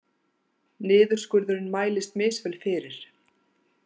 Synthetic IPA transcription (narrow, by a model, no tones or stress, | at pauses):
nɪːðʏɾ̥skʏɾðʏɾɪnmaːjlɪst̪mɪːsvɛlfɪːɾɪɾ̥